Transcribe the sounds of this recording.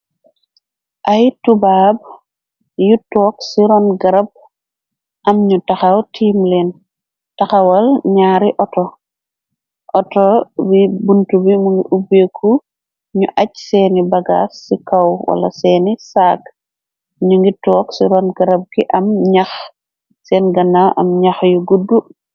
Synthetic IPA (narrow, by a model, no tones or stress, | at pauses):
ʔɐjtubaːb̚ | jutɔːksiɾɔnɡɐɾɐb̚ | ʔɐmɲutɐxɐwtʰiːmlɛːn | tɐxɐwɐlɲaːɾiʔɔtɔ | ʔɔtɔbibuntubimuŋɡiʔubekʰːu | ɲuʔɐcsɛːnibɐɡa̰ːsikɐwwɐ̰lɐ̰sɛːnisaːk | ɲuŋɡitɔːksiɾɔnɡɐɾɐb̚kiʔɐmɲɐx | sɛːnɡɐnːawʔɐ̰mɲɐxjuɡudːu